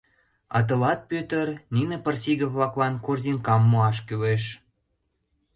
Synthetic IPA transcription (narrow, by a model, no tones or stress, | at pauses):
ɑ̰t̪̬ɤ̆lɑt̪̚pøt̪ərninəpə̆rsiɣəvlɑklɑnkorziŋkɑmːuɑʃ̬kyleʃ